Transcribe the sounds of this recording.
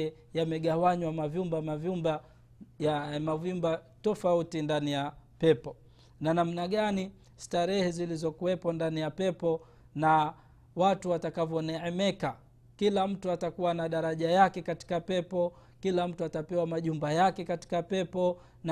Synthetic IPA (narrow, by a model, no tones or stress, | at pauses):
ɛ | jamɛɠawaɲwamavjumbamavjumba | jamavumba | tɔfautindanijapɛpɔ | nanam̩naɠani | staɾɛhɛzilizɔkuwɛpɔndanijapɛpɔ | na | watuwatakavjɔnɛɛmɛka | kilam̩tuatakuwanaɗaɾaʄajakɛkati̥kapɛpɔ | kilam̩tuatapɛwamaʄumbajakɛkati̥kapɛpɔ | na